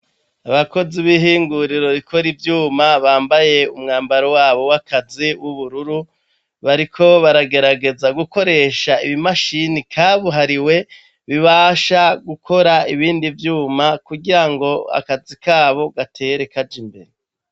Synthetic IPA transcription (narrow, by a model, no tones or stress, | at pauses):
aβako̞ziβiɦiːŋɡuɾiɾo̞βikʰo̞ɾivjuːmaβaːmbaje̞umŋaːmbaɾowaːβo̞wakʰaziwuβuɾuɾu | βaɾikʰo̞βaɾaɡe̞ɾaɡe̞zaɡuko̞ɾe̞ʃaiβimaʃinikʰaβuɦaɾiwe̞ | βiβaːʃaɡukʰo̞ɾaiβiːndivjuːmakuɡiɾaŋɡo̞a̰kazikaːβo̞ɡatʰe̞ːɾe̞kad͡ʒimbe̞̰ɾe